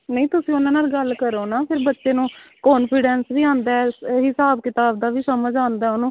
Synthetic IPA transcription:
nəĩːt̪ʊsĩːʊnãːnaːlɡəlkəɾoːnaːpʰɪɾbətːʃeːnũːkɔːnpʰɪɖɛːnsʋiːãːnd̪aːɛɦɪsaːbkɪt̪aːbd̪aːʋiːsəməd͡ʒãːnd̪aɛʊnũː

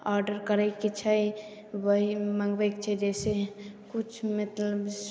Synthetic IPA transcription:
aɾɖəɾkəɾɛket͡ʃʰaj | bəimãŋɡbekt͡ʃʰɛd͡ʒɛsekut͡ʃʰmət̪ləbs

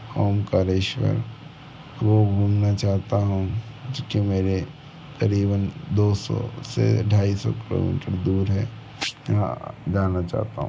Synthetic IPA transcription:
hoːmkaɾeːʃwə̰ɾ | ɾoːɡbʱuːmnat͡ʃaːɦt̪aɦũ | d͡ʒoːkimeːɾe | kɐɾiːbənd̪oːsɔ̰sḛə̰ʈʰaːisɔ̰kɪlo̰mḭːʈəɾd̪uːɾɦɛ | d͡ʒaːnat͡ʃa̰ːɦt̪aɦũ

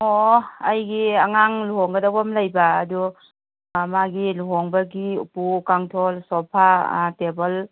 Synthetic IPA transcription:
ɔajɡiaŋaŋluɦɔŋɡɐdabɔmlajbaːdu | maɡiluɦɔŋbaɡiṵpukaŋtʰɔlsɔpʰatebəl

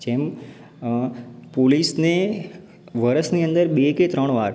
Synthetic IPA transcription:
d͡ʒem | polisne | ʋəɾəsniə̃nd̪əɾɓeket̪ɾəɳ̃ʋaːɾ

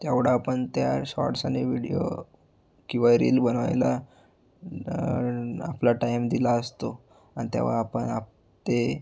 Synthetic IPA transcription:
t̪jaʋɽaːpəɳt̪jaɕɔ̰ɾʈsaneʋiɽijo̰ | kĩwʋaɾḭlbəna̰jla | aplaʈajmd̪ilaəst̪o | anit̪ja̰ʋa̰apəɳap | t̪e

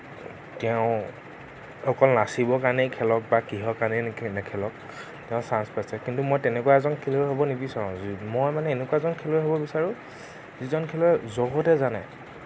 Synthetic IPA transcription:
tɛʊ̃ | xɔkɔlnasibɔkanɛkʰɛlɔk̚bakiɦɔkaɹnɛnɛkʰɛlɔk̚ | tɛʊ̃sanspasɛkintumɔjtɛnɛkuaɛzɔnkʰɛloɛɦobɔnibisaɹɔ̃mɔjmanɛenekwaɛzɔnkʰelɔɛɦobɔbisaɹʊ̃ | zizɔnkʰɛlɔɛzɔɡɔtɛzanɛ̰

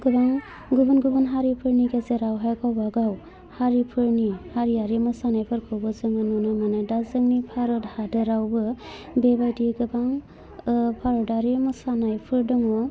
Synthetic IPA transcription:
ɡɯbaŋ | ɡubɯnɡubɯnɦaɾipʰɯɾnikezeɾawɦakawbaɡaw | haɾipʰɯɾnihaɾiaɾemɔsanajpʰɯɾkʰɔbɔzɯŋɯnunɔmanadazɯŋnipʰaɾɔdhadɯɾawbɯ | bebajtiɡɯbaŋ | pʰaɾɔdaɾimɔsanajpʰɯɾdɔŋɔ

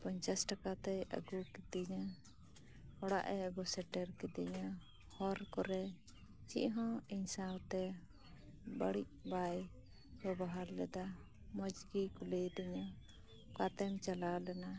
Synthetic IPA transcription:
pɔɲt͡ʃasʈakat̪ɛjə̰ɡukɛt̪iɲa | ɔɽa̰ʔɛəɡɔsɛʈɛɾkɛt̪iɲa | hɔɾkɔɾɛ | t͡ʃḭʔɦɔ̃iɲsawt̪ɛ | bəɽiʔ̚baj | bɔbaɦaɾlɛd̪a | mɔd͡ʒɡikulɛjd̪ɛɲa | kat̪ɛmt͡ʃalalɛna

